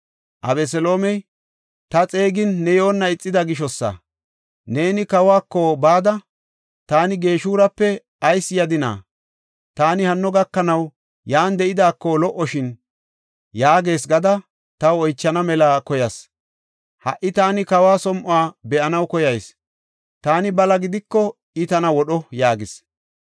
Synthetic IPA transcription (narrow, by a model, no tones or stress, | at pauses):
ʔɐbɛs̬ɛlo̞ːmɛj | t̪ɐt͡sʼe̞ːɡɪnːɛjo̞ːnːɐɪt͡sʼːɪd̪ɐɡɪʃ̬ɔsːɐ̰ | ne̞ːnɪkɐwaːkːɔbaːd̪ɐ | t̪aːnɪɡe̞ːʃuːɾɐpːɛ | ɐjsjɐd̪ɪna̰ː | t̪aːnɪhɐnːɔɡɐkːɐnɐw | jaːnd̪ɛʔɪd̪aːkːɔlɔʔːɔʃɪn | jaːɡe̞ːsɡɐd̪ɐ | t̪ɐwɔjt͡ʃːɐnɐmɛlaːkɔjɐs | hɐ̰ʔːɪt̪aːnɪkɐwaːsɔmʔʊaːbɛʔɐnɐwkɔjɐjs | t̪aːnɪbɐlɐɡɪd̪ɪkːɔ | ɪt̪ɐnɐwɔɗɔjaːɡɪs